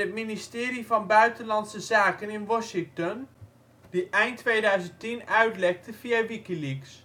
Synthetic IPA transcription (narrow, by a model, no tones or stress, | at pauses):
ətministɪːɾivɑnbœɥtənlɑntsəzaːkənɪnʋɔʃɪŋtɔn | diʔɛjntʰːʋejdœɥzəntinœɥtlɛk̚təv̥iaʋikiliks